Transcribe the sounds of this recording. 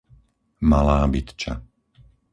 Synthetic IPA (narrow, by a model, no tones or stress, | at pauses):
malaːbit̪t͡ʃa̰